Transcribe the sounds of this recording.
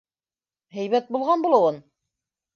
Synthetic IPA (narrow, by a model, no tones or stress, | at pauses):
ɦæjβæt̪̚bulˠʁɑnbulˠɤ̆wɤn